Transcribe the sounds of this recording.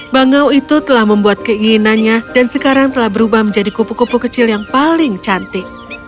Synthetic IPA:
baŋawit̪ut̪əlahməmbuat̪̚kəiŋinanɲad̥ansəkaɾaŋt̪əlahbəɾubahməɲd͡ʒadikupukupukət͡ʃɪljaŋpalɪŋt͡ʃant̪ɪk

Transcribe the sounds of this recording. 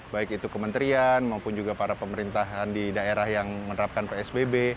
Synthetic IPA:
baɪkit̪ukəmənt̪ɾianmaupʊnd͡ʒuɡapaɾapəməɾint̪aɦandidaeɾahjaŋmənəɾap̚kanpeɛsbebe

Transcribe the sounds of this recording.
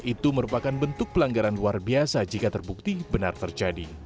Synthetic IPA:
ʔit̪uməɾupakanbənt̪ʊk̚pəlaŋɡaɾanluarbiasad͡ʒikat̪ərbuk̚t̪ibənart̪ərd͡ʒadi

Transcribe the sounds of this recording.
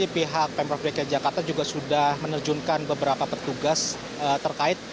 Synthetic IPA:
ipiɦak̚pɛmpɾɔfɛkjad͡ʒakart̪ad͡ʒuɡaʔsudahmənərd͡ʒuŋkanbəbəɾapapət̪uɡas | ət̪ːərkaɪt̪̚

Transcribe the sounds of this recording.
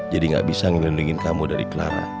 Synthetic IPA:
d͡ʒadiŋɡa̰ʔbisaŋəminliŋɪnkamudaɾḭkəlaɾa̰

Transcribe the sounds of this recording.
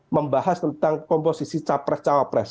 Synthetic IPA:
məmbaɦast̪ənt̪aŋkɔmposisit͡ʃapɾɛst͡ʃawapɾɛs

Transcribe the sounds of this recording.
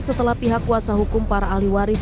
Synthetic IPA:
sət̪əlahpiɦakːuasaɦukʊmpaɾaːliwaɾis

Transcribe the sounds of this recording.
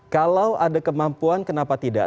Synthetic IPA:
kalawʔadakəmampuankənapat̪ida̰

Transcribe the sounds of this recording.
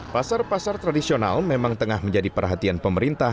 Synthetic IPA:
pasarpasart̪ɾadisiona̰lmemaŋt̪əŋahməɲd͡ʒadipərɦat̪ianpəməɾint̪a

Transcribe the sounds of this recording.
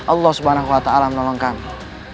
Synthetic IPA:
ʔɑlːɑhsubanaɦuwat̪aalamənɔlɔŋkani

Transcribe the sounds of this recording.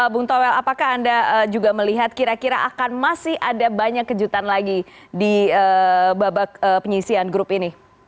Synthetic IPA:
əbuŋt̪owɛlapakaɦandaəd͡ʒuɡaməliɦat̪̚kiɾakiɾaʔakanmasɪhʔadabaɲakːəd͡ʒut̪anlaɡidiəbabak̚əpəɲisianɡɾʊpini

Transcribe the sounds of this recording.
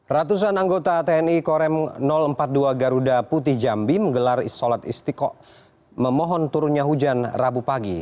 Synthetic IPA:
rat̪us̬anaŋɡot̪at̪eɛnikɔɾɛmnɔləmpat̪̚duaɡaɾudaput̪̬ɪhd͡ʒambiməŋɡəlarḭsɔlat̪ḭst̪ikɔʔ | məmɔɦɔnt̪uɾunɲaɦud͡ʒanrabupaɡi

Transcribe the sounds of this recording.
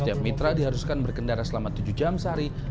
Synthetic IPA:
t̪iap̚mit̪ɾadiɦaɾuskanbərkəndaɾasəlamat̪ud͡ʒud͡ʒamsəɦaɾi

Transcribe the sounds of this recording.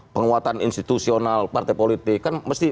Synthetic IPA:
pəŋuat̪anḭnst̪i̥t̪usionalpart̪ajpolit̪ɪkːanməst̪i

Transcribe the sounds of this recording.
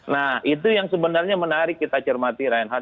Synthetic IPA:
nahit̪̬ujaŋsəbənarɲamənaɾikːit̪at͡ʃərmat̪iɾajənɦa

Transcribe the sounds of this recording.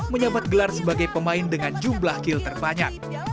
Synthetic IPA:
məɲabat̪̚ɡəlarsəbaɡajpəmaɪndəŋand͡ʒumblahkɪlt̪ərbaɲak̚

